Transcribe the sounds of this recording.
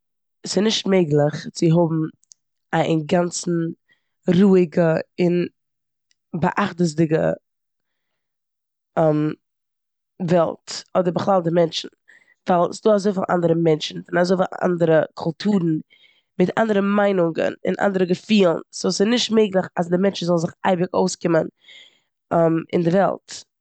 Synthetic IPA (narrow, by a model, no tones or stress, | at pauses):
sɪnɪʃtmeɪɡlˠɪχt͡sɪɦʊbm̩ | aɪnɡant͡sn̩ | ɾuːɪɡəɪn | bəʔaχtəz̬dɪɡə̰ | ɛm | vɛlˠtɔdəɾbəχlˠalˠdəmɛnt͡ʃn̩ | vaɪlˠsɪdoːazoɪfɪnʔa̰ndəɾəmɛnt͡ʃn̩fɪnazoɪfɪlʔa̰ndəɾəkʰʊlˠtʰuːɾn̩ | mɪtʰa̰ndəɾəmaɪnʊŋɡə̰nɪ̰nʔa̰ndəɾəɡəfiːlˠn̩soʊsɪnɪʃtmeɪɡlˠəχasdɪmɛnt͡ʃn̩zɔlˠn̩zɪχa̰ɪbɪko̰ʊskɪmən | ɛmɪ̰ndɪvɛ̰lˠt